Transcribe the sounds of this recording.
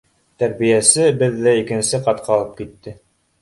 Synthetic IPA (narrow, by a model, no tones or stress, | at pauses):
t̪æɾβijæsɘbɘðːæikɘ̆nsɘqɑt̪̚qʰɑlˠɤp̚kit̪ːɘ